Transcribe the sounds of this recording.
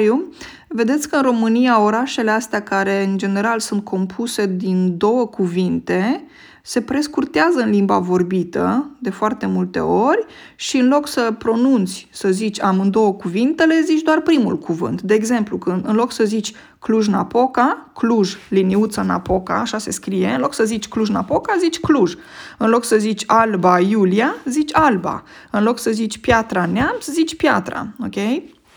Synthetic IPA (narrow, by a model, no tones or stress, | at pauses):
ju | ve̞d̪e̞t̪sʲkəɨnro̞mɨnijao̞ɾaʃe̞le̞ast̪eakaɾe̞ɨnd͡ʒe̞ne̞ɾalsunt̪̚kʰo̞mpʰuse̞d̪ind̪o̞wəkuvint̪e̞ | se̞pɾe̞skurt̪eazəɨnlimba̰vo̞rbit̪ə̰d̪e̞foart̪e̞mult̪e̞̰o̞rʲ | ʃiɨnlo̞ksəpɾo̞nunt̪sʲsəzit͡ʃʲamɨnd̪o̞wəkuvint̪e̞le̞zit͡ʃʲd̪oarpɾimṵlkʰuvɨ̰nt̪d̪e̞ːɡze̞mplukɨnɨnlo̞ksəzit͡ʃʲ | kluʒna̰po̞kakluʒliniut̪səna̰po̞ka̰ːʃase̞skɾije̞ɨnlo̞ksəzit͡ʃʲkluʒnapo̞kazit͡ʃʲkluʒ | ɨnlo̞ksəzit͡ʃʲalbajuliazit͡ʃʲalba̰ɨnlo̞ksəzit͡ʃʲpjat̪ɾaneamt̪szit͡ʃʲpjat̪ɾa̰okʲe̞j